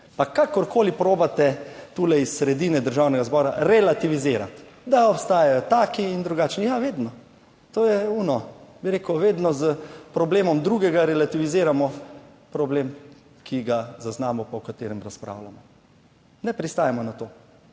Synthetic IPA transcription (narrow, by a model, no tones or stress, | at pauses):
pakakɔɾkoːlipɾoːbat̪ɛt̪ulɛisːɾɛd̪iːnɛd̪əɾʒawnɛɡazbɔːɾa̰ɾɛlat̪iʋizeːɾat̪d̪aɔpst̪aːjajɔt̪aːkiːnd̪ɾuɡaːt͡ʃnijaʋeːd̪nɔ | t̪oːjɛunɔbiɾeːkəwʋeːd̪nɔzəpɾɔbleːmɔmd̪ɾuːɡɛɡaɾɛlat̪iʋizeːɾamɔ | pɾɔbleːm | kʰiɡazaznaːmɔpɔwkat̪eːɾɛmɾaspɾa̰ːwlamɔ | nɛpɾist̪aːjamɔnat̪o